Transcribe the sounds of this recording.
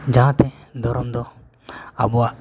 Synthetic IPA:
d͡ʒããt̪ɛ̃d̪ɔɾɔmd̪ɔ | a̰bɔaʔ

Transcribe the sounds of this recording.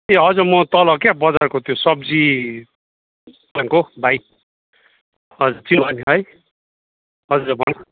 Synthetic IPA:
t̪eɦʌd͡zumʌt̪ʌlʌkabʌd͡zarkot̪ʰijosʌb̚d͡zi | aŋkob̪ʱaj | ʌd͡zut͡sinbʌnɦʌj | ɦʌd͡zbʱʌna

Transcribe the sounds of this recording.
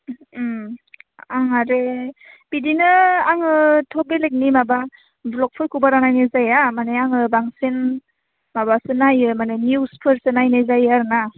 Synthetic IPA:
aɦaɾeb̥idinɯaŋɯtʰɔbelek̚nimaba | blɔk̚pʰɔjkʰubaɾanajnɯzajamaneaŋɯbaŋsen | mabasɯnajɯmanenuspʰɯɾsɯnajnezajaɾɯna

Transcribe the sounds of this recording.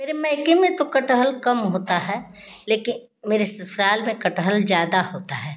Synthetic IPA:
meːɾemɛ̃ːɪkemẽt̪okəʈəɦəlkɐmɦoːt̪aɦɛ | leːkɪn | meːɾesɪsɾaːlmẽkɐʈəɦəlzjaːd̪ahoːt̪aɦɛː

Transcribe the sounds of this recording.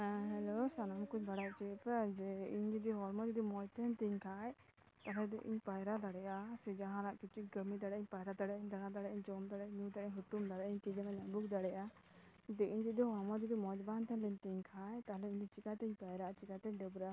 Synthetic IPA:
ɦɛlosanamkuɲbaɽaʔt͡ʃipad͡ʒɛiɲd͡ʒid̪iɦɔɾmɔd͡ʒ̪id̪imɔd͡ʒt̪ʰɛnt̪iɲkʰaj | t̪aɦlɛd̪ɔʔḭɲpajɾad̪aɽɛjasɛd͡ʒaɦãɾaʔkit͡ʃuɡəmid̪aɽɛʔiɲpajɾad̪aɽɛjaiɲd̪aɽad̪aɽɛjaʔiɲd͡ʒɔmd̪aɽɛɲũd̪aɾɛɲɦut̪umd̪aɽɛʔaiɲt̪id͡ʒamaɲabukd̪aɽɛjʔa | t̪ɛʔiɲd͡ʒid̪iɦɔɾmɔd͡ʒ̪id̪imɔd͡ʒbant̪ʰɛnlɛɲt̪iɲkʰajt̪aɦlɛiɲd͡ʒ̪it͡ʃikat̪ɛiɲpajɾaʔat͡ʃikat̪ɛɖɛbɾɛa

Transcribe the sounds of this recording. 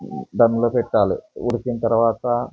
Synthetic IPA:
d̪ɐnləpeʈ̪ːalḛuɽkint̪ɐɾʋaːt̪a

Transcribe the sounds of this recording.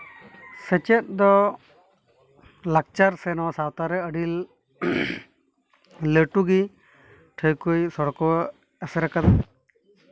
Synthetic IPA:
sɛt͡ʃɛt̪̚ˀd̪ɔ | lak̚t͡ʃaɾsɛnɔasawt̪aɾɛəɖil | ləʈuɡi | ʈʰəjkujsɔɽkɔ | ɛsɛɾakat̪̚

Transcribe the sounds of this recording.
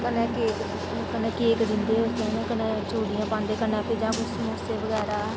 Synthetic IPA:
kənẽːkeːk̪ː | kənẽːkeːkd̪ɪnd̪eːɦoːt̪enẽːkənãːt͡ʃoːɽijãːpãːnd̪eːkənãːpeːd͡ʒãːmʊsmoseːʋəɡɛːɾaː

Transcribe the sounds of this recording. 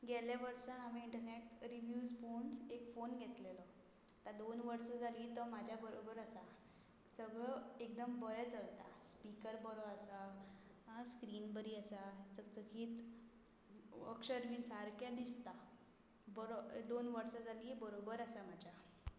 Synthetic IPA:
ɡʱɛljaʋəɾsãɦamiiɳʈəɾneʈɾiʋjuːzfonekfonɡʱet̪lelə | t̪ad̪onʋəɾsad͡zʱaliːt̪ɔmad͡ʑʱjabəɾobəɾəsa | səɡɭəek̚d̪əmbəɾjat͡səlt̪a̰spikəɾbəɾoəsa | skɾiːnbəɾiːəsat͡sət͡səɡʰiːt̪ | ə̰kɕəɾʋiːnsaɾkjad̪ist̪a | bəɾod̪onʋəɾsad͡zaliːbəɾobəɾasamad͡ʑʱja

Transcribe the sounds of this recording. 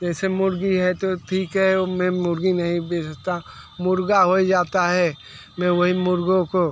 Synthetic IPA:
d͡ʒɛːsemʊɾɡiɦɛt̪ot̪ʰiːkɦɛmɛ̃mʊɾɡinɐɦĩbeːsəkt̪amʊɾɡaɦoid͡ʒaːt̪aɦɛ | mɛ̃ʋɐɦimʊɾɡõko

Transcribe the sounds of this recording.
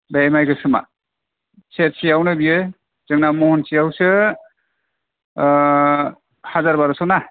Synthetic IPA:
bemajɡɯsɯma̰ | set̚sijawnɯbiɯ | z̥ɯŋnamɔhɔnsijawsɯ | hazaɾbaɾɔsɔwna

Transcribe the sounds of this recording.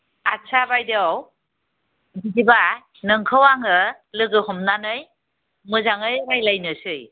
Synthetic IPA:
at͡ʃʰabajdeaw | didiba | nɯŋkʰɯwaŋɯ | lɯɡɯhɔmnanɯj | mɯzaŋɯjɾajlajnɯsɯj

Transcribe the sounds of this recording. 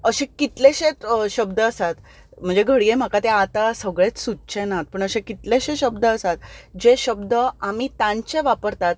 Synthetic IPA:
əɕẽkit̪leɕẽt̪ɕəb̚d̪əəsat̪ | m̤əɳd͡zeɡʱəɽiem̤akat̪eat̪asəɡɭet͡ssutːt͡ɕʰenat̪̚pəɳəɕẽkit̪leɕẽɕəbd̪əəsat̪d͡ʑeɕəbd̪əamit̪ãɲt͡ɕeʋapəɾt̪at̪̚

